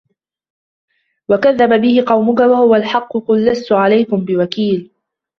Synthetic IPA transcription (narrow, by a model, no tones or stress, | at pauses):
wakaðːababɪhɪqɑwmʊkawahʊwalħɑqːʊqʊlːast̪ʊʕalajkʊmbɪwakiːl